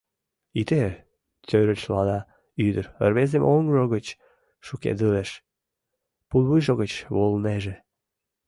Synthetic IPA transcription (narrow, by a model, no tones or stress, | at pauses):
it̪e | t͡s̪øɾət͡ɕlɑd̪ɑ | yd̪əɾə̰rβezemʔoŋɡʒoɣət͡ɕ | ʃukḛd̪ɨleʃ | pulˠβɨjʒoɣət͡ɕβolneʒe